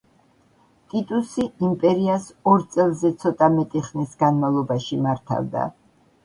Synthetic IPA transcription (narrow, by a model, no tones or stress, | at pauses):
t̪ʼit̪ʼusiimpʼɛɾiasɔɾt̪sʼɛlˠzɛt̪sʰɔt̪ʼamɛt̪ʼiχnisɡanmavlˠɔbaʃimaɾt̪ʰa̰vd̪a̰